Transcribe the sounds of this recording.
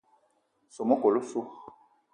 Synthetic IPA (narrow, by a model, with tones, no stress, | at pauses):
so˨mo˦ko˨lo˦su˦